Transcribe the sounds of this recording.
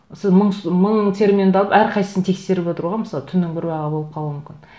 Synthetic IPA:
sɪzməɴsməɴt̪ʰe̞ɾmʲend̪ɑlˠəpæɾqʰɑjsə̥sɪnt̪ʰe̞kse̞ɾɪpo̞t̪əɾuʁɑməsɑlˠət̪ʰʏnːɪŋbɪɾbɑʁɑbo̞lˠəp̚qʰɑlˠuəmʏmʲkʲɪn

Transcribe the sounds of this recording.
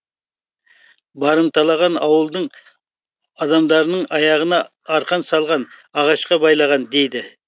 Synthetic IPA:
bɑɾɨmt̪ʰɑlˠɑʁɑnɑwəlˠd̪əŋ | ɑd̪ɑmd̪ɑɾnəŋɑjɑʁənɑːɾqʰɑnsɑlˠʁɑnɑʁɑʃqɑbɑjlˠɑʁɑnd̪ejd̪ɪ

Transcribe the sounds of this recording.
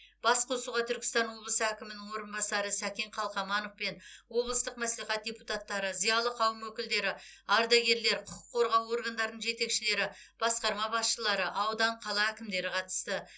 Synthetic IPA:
b̥ɑsqʰo̞suʁɑt̪ʰʏɾkʲɪ̥st̪ɑnwo̞blˠəsəækʲɪmɪnɪŋwo̞ɾənbɑsɑɾəsækʲeɴqʰɑlˠqɑmɑnəfpe̞nwo̞blˠəst̪əqmæsliχæt̪̚d̪ʲeput̪at̪ːɑɾəzijɑlˠəqʰɑwəmwɵkʲɪld̪e̞ɾɪɑɾd̪ɑɡʲe̞ɾle̞ɾqʰʊqʰʊ̥qʰːo̞ɾʁɑwo̞ɾɡand̪ɑɾənəɴʒe̞t̪e̞kʃɪle̞ɾɪ | b̥ɑsqɑɾmɑbɑsʃəlˠɑɾəʔɑwd̪ɑɴqʰɑlˠɑækʲɪmd̪e̞ɾɪqʰɑt̪ə̥st̪ə

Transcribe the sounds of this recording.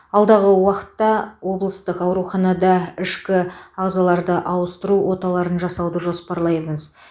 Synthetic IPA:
ɑlˠd̪ɑʁəwɑqə̥t̪ːɑwo̞blˠəst̪əqɑwɾuχɑnɑd̪ɑɪʃkʲɪɑʁzɑlˠɑɾd̪əʔɑwəst̪əɾuwo̞t̪ɑlˠɑɾənʒɑsɑwd̪əʒo̞spɑɾlˠɑjʁəŋəz

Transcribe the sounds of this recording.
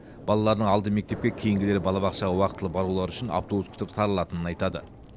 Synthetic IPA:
b̥ɑlˠɑlˠɑɾd̪əɴɑlˠd̪əme̞k̚t̪e̞p̚kʲekʲʰe̞jɪŋɡʲɪle̞ɾɪbɑlˠɑbɑqʃɑʁɑwɑqət̪əlˠəbɑɾulˠɑɾʏʃɪna̰wt̪obuskʲʰʏ̥t̪ɪpsɑɾəlˠɑt̪ənənɑjt̪ɑd̪ə̰

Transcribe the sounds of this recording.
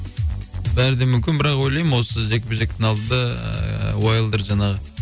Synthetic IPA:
bæɾɪd̪emʏmkʲɪnbɪɾɑqwo̞jlˠɑjmɪwo̞səʒekʲɪbɪʒek̚ʲt̪ɪnɑlˠd̪ənd̪ɑ̰ | wojəlˠd̪əɾʒɑnɑʁə

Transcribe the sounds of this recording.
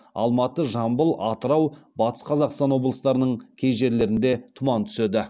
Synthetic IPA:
ɑ̰lˠmɑt̪əʒɑmbəlˠɑt̪əɾɑwbɑt̪ə̥sqʰɑzɑqst̪ɑnwo̞blˠəst̪ɑɾənəɴkʲʰe̞jʒe̞ɾle̞ɾɪnd̪e̞t̪ʰʊmɑnt̪ʰʏ̥se̞d̪ɪ

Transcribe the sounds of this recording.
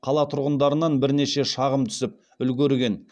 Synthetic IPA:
qʰɑlˠɑt̪ʰʊɾʁənd̪ɑɾənɑnbɪɾne̞ʃe̞ʃɑʁəmt̪ʰʏ̥sɪp̚ | ʏlɡʲeɾɡʲe̞n

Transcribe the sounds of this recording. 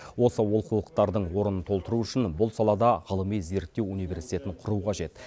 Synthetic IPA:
wo̞səwolˠqulˠəq̚t̪ɑɾd̪əɴwo̞ɾənənt̪ʰo̞lˠt̪əɾuʏʃɪnbʊlˠsɑlˠɑd̪ɑʁəlˠəmijze̞ɾt̪ːe̞wunijvʲe̞ɾsijt̪e̞t̪ɪɴqʰʊɾuqʰɑʒe̞t̪

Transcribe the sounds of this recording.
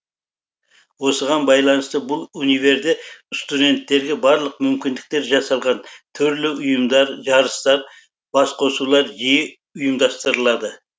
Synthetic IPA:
wo̞səʁɑnbɑjlˠɑnəst̪əbʊlˠunive̞ɾd̪est̪ud̪ʲe̞nt̪ːe̞ɾɡʲe̞bɑɾlˠəqmʏmkʲɪnd̪ɪk̚t̪e̞ɾʒɑsɑlˠʁɑnt̪ʰʏɾlɪʊjəmd̪ɑɾʒɑɾəst̪ɑɾ | b̥ɑsqʰo̞sulˠɑɾʒijɪ | ʊjəmd̪ɑst̪əɾəlˠɑd̪ə

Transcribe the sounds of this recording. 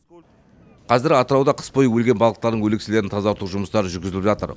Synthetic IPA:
qʰɑzɪɾɑt̪əɾɑwd̪ɑqʰə̥spʰo̞jəwɵlɡʲe̞nbɑlˠʁəq̚t̪ɑɾd̪əŋwɵleksɪle̞ɾɪnt̪ʰɑzɑwoɾt̪uʒʊməst̪ɑɾəʒʏɾɡʲɪzɪlɪpʒɑt̪əɾ

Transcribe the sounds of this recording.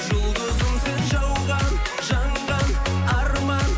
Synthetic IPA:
ʒʊlˠd̪əzəɴsenʒɑwʁɑn | ʒɑɴʁɑnɑɾmɑn

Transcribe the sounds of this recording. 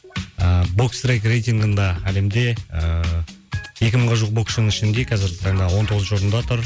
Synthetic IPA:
əbo̞ksrejkrejt̪iŋɡənd̪ɑæle̞md̪e̞ə | je̞kʲɪməɴʁɑʒuq̚bo̞kʃnəŋɪʃɪnd̪e̞kʰɑzɪɾɡʲɪt̪ʰɑɴd̪ɑwo̞nt̪ʰo̞ʁzʒoɾənd̪ɑt̪ʰʊɾ

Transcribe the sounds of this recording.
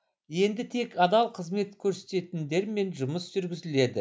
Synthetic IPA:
je̞nd̪ɪt̪ʰe̞kɑd̪ɑlˠqʰəzme̞t̪kʲʰɵɾse̥t̪e̞t̪ɪnd̪e̞ɾme̞nʒʊməsʒ̥ʏɾɡʲɪzɪle̞d̪ɪ̰

